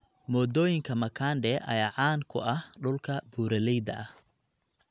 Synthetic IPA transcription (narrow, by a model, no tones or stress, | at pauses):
mɔːd̪ɔːjɪŋkʰɐmɐkʰaːnɖɛʔɐ̰jaːʕɑːŋkʰʊ̰ʔɐhɖʊlkʰɐbuːɾɐlɛjd̪ɐʔɐh